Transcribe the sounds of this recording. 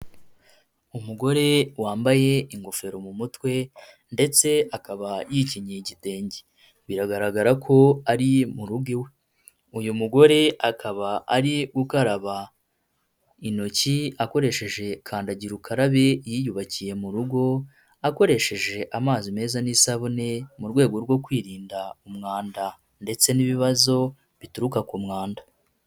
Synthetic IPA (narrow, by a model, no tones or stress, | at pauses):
umuɡo̞ɾe̞waːmbaje̞iŋɡo̞fe̞ɾo̞mumutwe̞ | nde̞t͡se̞akaβajiciɲeiɟite̞ːɲɟi | βiɾaɡaɾaɡaɾakʰo̞aɾimuɾuɡiwe̞ | ujumuɡo̞ɾe̞akʰaβaaɾiɡukaɾaβa | ino̞ciako̞ɾe̞ʃe̞ʒe̞kʰaːndaɟiɾukʰaɾaβe̞jijuβacije̞muɾuɡo̞ | ako̞ɾe̞ʃe̞ʒe̞ʔamaːzime̞ːzanisaβune̞muɾɡwe̞ːɡo̞ɾɡwo̞kwiːɾiːndaumŋaːnda | nde̞t͡se̞niβiβazo̞ | βituɾukakumŋaːnda